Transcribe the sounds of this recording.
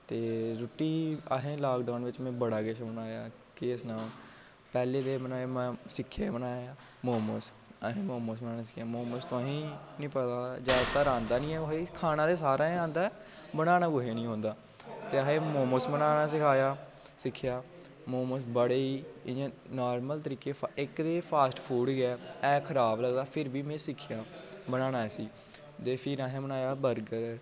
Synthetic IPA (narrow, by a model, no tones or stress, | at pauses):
t̪eːɾʊʈiːəɦẽːlaːkɖaːnʋɪt͡ʃmɛ̃ːbəɽaːɡeʃbənaːjaː | keːsnaː | pɛːleːd̪eːbənaːeːmɛ̃ːsɪkʰːeːbənaːjaːmoːməs | əɦẽːmoːmosbənaːnaːsɪ̥kʰjaːmoːməst̪ʊãːɦĩːnĩːpət̪aːd͡ʒaːd̪t̪aːɾãːnd̪aːnĩːɛːɡoɦeːkʰaːnãːd̪eːsaːɾãːãːnd̪aː | bəɽaːnaːɡʊɦeːnĩːɦõːnd̪aː | t̪eːəɦẽːmoːmosbənaːnaːsɪkʰaːjaː | sɪkʰːɪjaː | moːmosbəɽeːĩː | naːɾməlt̪əɾiːkeːɪkd̪eːpʰaːsʈpʰuːɽɡɛːɛːkʰəɾaːbləɡd̪aːpʰɪɾbiːmẽːsɪkʰɪjãːbəɽ̃aːnaːɛːsiː | t̪eːpʰiːɾãːɦãːbənaːjaːbəɾɡəɾ